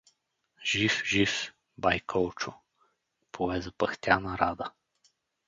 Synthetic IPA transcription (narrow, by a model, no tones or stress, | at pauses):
ʒ̥ifʒif | bajkʰɔlˠt͡ʃʊ | pʰovɛzɐpɐxt̪ʲanɐɾad̪ə